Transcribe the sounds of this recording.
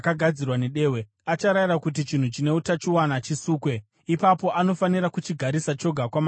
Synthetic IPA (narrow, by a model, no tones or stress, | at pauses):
kaɡʱad͡zirwaneɗe̞ːwe | at͡ʃaɾairakut̬it͡ʃin̤ut͡ʃine̞utat͡ʃiwanat͡ʃisuːkwe̞ | ipapo̞ʔano̞faniɾakut͡ʃiɡʱaɾisat͡ʃo̞ɡʱakwam